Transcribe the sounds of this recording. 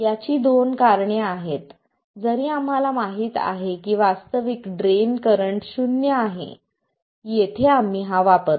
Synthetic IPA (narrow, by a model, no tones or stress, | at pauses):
jat͡ɕiːd̪onkaɾɳeaɦet̪ | d͡zəɾĩːam̤alamaɦiːt̪a̰ɦekiːʋast̪əʋikɖɾenkəɾəɳʈɕunjəaɦḛ | jet̪ʰeam̤ːiːɦaʋapəɾ